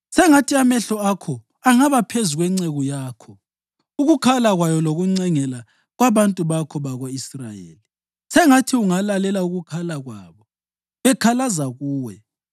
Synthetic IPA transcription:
sɛŋatʰiamɛɬɔakʰɔ | aŋaβapʰezuɣwɛŋ͡ǀeɣujaːkʰɔ | uɣukʰalaɣwajɔloɣuŋ͡ǀɛŋɛla | ɣwaβantʼuβakʰɔβaɣoisra̰jḛːli | sɛŋatʰiuŋalalɛlauɣukʰalaɣwa̰ːβɔ | βɛkʰalazaɣuːwɛ

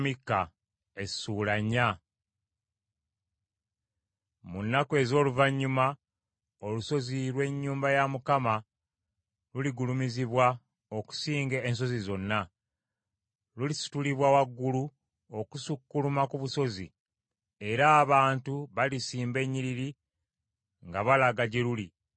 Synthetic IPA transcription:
mikːa | e̞̥suːlaɲːa | munːakwe̞zo̞ːluvaɲːuma | oluso̞ziɾwe̞ɲːuːmbajamukama | luliɡulumiziβwa | o̞ku̥siːŋɡeːns̬o̞zizo̞nːa | lulisi̥tuliβwawaɡːulu | o̞kusukːulumakuβuso̞zḭ | e̞ɾaːβaːntuβalisiːmbe̞ɲːiɾiɾi | ŋɡaβalaɡaɟeluli

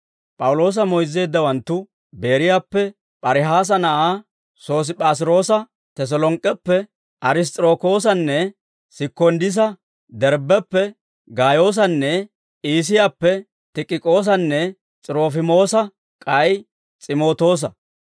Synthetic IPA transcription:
pʼɐwʊlo̞ːs̬ɐmɔjzːe̞ːd̪ːɐwɐnt̪ːʊ | be̞ːɾɪjaːpːɛ | pʼɐɾɪɦaːs̬ɐnɐʔaː | so̞ːs̬ɪpʼaːs̬ɪɾo̞ːsɐ | t̪ɛs̬ɔlɔŋkʼːɛpːɛ | ʔɐɾɪs̬t̪ʼɾo̞ːko̞ːs̬ɐnːɛ | sɪkːɔnd̪ɪs̬ɐ | d̪ɛɾbɛpːɛ | ɡaːjo̞ːs̬ɐnːɛ | ʔiːs̬ɪjaːpːɛ | t̪ɪkʼːɪkʼoːs̬ɐnːɛ | t͡sʼɪɾoːfɪmo̞ːsɐ | kʼɐj | t͡sʼɪmo̞ːt̪o̞ːs̬ɐ

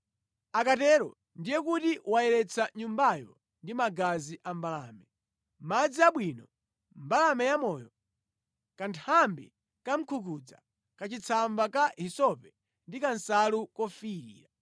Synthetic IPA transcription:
akatɛɾɔ̰ | ndijɛkutiwaɛɾɛt͡sʰaɲumbajɔ̰ | ndimaɡaziʔambala̰ːmɛ | mad͡ziaɓwiːnɔ | mbalamɛjamɔːjɔ | kantʰambi | kam̩kʰukud͡za̰ | kat͡ʃit͡sʰambakaɦisɔpɛ | ndikansalukɔfiɾḭːɾa

